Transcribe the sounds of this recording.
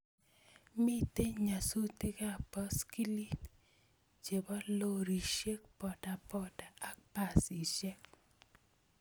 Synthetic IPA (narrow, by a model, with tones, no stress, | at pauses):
mi˦te˦ɲa˨su˦te˦ka˦˨pɔ˦ski˦li˦ | t͡ʃe˨bɔ˦lo˦ɾi˨ʃe˦k̚pɔ˨da˨pɔ˨da˨a˦k̚pa˨si˨ʃɛ˦k